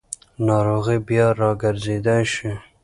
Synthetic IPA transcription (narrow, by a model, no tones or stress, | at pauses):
nɑɾoɣibjɑɾɑɡəɾzed̪ajʃi